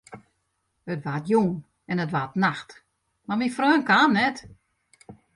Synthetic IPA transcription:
ətʋatjuŋ | ɛnətʋatnaxt | mamifrøːnkanːɛt

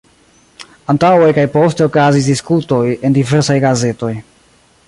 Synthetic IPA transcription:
antawejkajpo̞ste̞okazis̬diskuto̞je̞ndive̞ɾsajɡaze̞to̞j

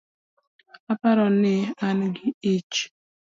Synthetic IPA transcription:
apaɾɔneanɡiit͡ʃ

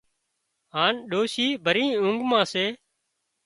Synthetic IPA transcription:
ɦaːnɗoːʃiːbʱəɾĩːʊ̃ŋɡmãːseː

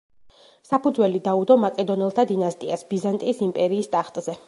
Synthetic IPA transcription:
sapud̪zwɛlid̪aud̪ɔmakʼɛd̪ɔnɛlˠt̪ʰad̪inast̪ʼiasbizant̪ʼiːsimpʼɛɾiːst̪ʼaχt̪ʼzɛ

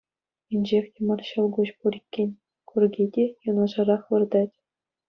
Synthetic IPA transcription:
inʲd͡ʑexʲtʲĕmɑrɕɤ̆lˠɡuɕpuɾʲikʲːenʲ | kʰurɡʲidʲejɤ̆nɑ̆ʐɑɾɑχʋɤ̆rd̪ɑtʲ

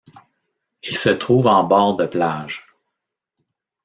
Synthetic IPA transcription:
ilsət̪ʁuːvɑ̃bɑːʁd̪əplaːʒ

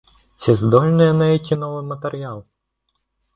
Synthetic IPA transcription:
t̪sʲɛzd̪ɔlʲnɛjɛnɛjɛkʲinɔʋɪmɐt̪eɾʲjalˠ

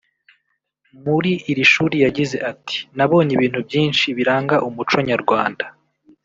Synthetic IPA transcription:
muɾiʔːɾiʃuːɾijaɟize̞ʔatʰi̥naβo̞ːɲiβiːn̥hubjiːnʃiβiɾaːŋɡaʔumut͡ʃo̞ɲaɾɡwaːnda

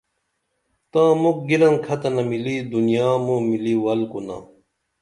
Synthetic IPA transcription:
t̪ãːmuk̚ɡilɐnkʰɐt̪ɐnɐmilid̪unijaːmomiliwɐlkuna̰ː

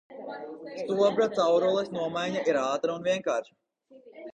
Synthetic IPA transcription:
st̪uɔbɾat̪sawɾulˠɛsnuɔmajɲaʔiɾaːt̪ɾaunviɛŋkaːɾʃ

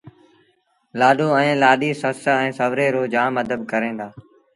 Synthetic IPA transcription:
laːɗõːɛ̃ːlaːɗiːsəsɛ̃ːsəʋɾeːɾoːd͡ʒaːməd̪ʱəb̚kəɾẽːnd̪aː

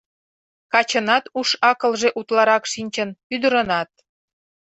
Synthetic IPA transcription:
kɑt͡ɕə̆nɑt̪uʃɑkɤ̆lʒeʔut̪lɑɾɑkʃinʲt͡ɕə̆nyd̪ə̆ɾə̆nɑt̪̚

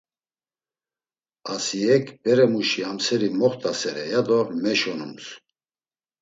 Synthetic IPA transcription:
asiɛkʰbɛɾɛmuʃiamsɛɾimɔχt̪ʰʼasɛɾɛjad̪ɔɾmɛʃɔnums

